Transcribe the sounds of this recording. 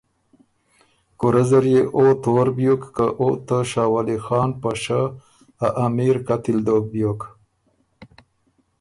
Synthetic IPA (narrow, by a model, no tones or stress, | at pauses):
kuɾazaɾjeʔot̪oɾbjokːaʔot̪əʃɑːwalixɑːnpaʃa | aʔamiɾkat̪ɪld̪ok̚bjok